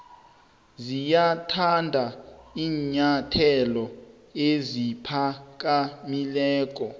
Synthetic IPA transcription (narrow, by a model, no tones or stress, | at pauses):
zijatʰandʱaiːɲatʰɛlɔ | ezipʰak̬ʼamilɛːk̬ʼɔ